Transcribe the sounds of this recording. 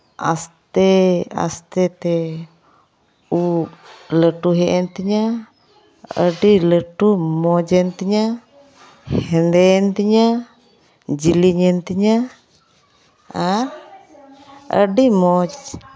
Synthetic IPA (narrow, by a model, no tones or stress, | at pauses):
ʔa̰st̪ea̰st̪et̪ɛ | u | ləʈuɦɛʔɛnt̪iɲa | ə̰ɖiləʈumɔd͡ʒɛnt̪iɲa | hɛndɛnt̪iɲa | d͡ʒiliɲɛnt̪iɲa | a | ə̰ɖimɔd͡ʒ